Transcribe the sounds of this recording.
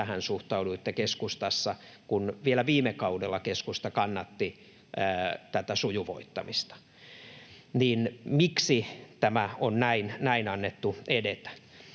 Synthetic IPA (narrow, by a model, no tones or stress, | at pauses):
æhænsuht̪ɑuduet̪ːekeskust̪ɑsːɑ | kunʋielæʋiːmekɑudelːɑkeskust̪ɑkɑnːɑt̪ːi | əːt̪æt̪æsujuʋo̰it̪ːɑ̰mist̪ɑ̥ | niːnmiksit̪æmæonnæinnæinɑnːet̪ːuedet̪æ̥